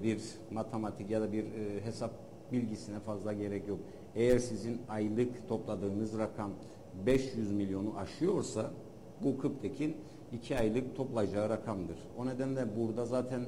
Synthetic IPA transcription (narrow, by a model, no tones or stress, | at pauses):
biɾ | mat̪ʰemat̪ʰicjad̪abiɾɦe̞sap̚ | bilʲɟisinɛfazlˠaɟe̞ɾɛcjo̞k̚ | ejæɾsizinajlˠɯkt̪ʰo̞plˠad̪ɯːnɯzɾakʰam | bɛʃjyzmilʲjo̞nuʔaʃɯjo̞ɾsa | bukʰɯp̚t̪ʰecʰin | icʰiajlˠɯk̚t̪ʰo̞plˠajd͡ʒaːɯɾakʰamd̪ɯɾ̥o̞ne̞d̪ænlʲɛbuɾd̪azaːt̪ʰæn